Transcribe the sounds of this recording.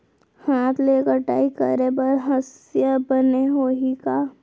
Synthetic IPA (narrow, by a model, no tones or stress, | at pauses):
haːt̪ʰleːkəɾʈa̰ːikə̰ɾebɐɾɦəsjəbəneɦoːikaː